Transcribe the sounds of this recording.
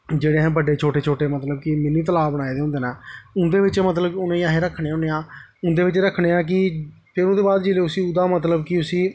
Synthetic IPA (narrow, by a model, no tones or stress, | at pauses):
d͡ʒeːɽeːɦɛ̃ːbəɖeːt͡ʃʰoːʈeːt͡ʃʰoːʈeːmət̪ləb̚kɪmɪniːt̪əlaːbəɽaːeːd̪eːõnd̪eːnaːʊnd̪eːʋɪt͡ʃmət̪ləbkʊnẽːiaːɦeːɾəkʰːɽẽːõːneːãːʊnd̪eːʋɪt͡ʃɾəkʰːɽeːãːk̬ɪ | pʰɪɾʊnd̪eːbaːd̪d͡ʒeːleːʊsiːʊd̪aːmət̪ləbkɪʊsiː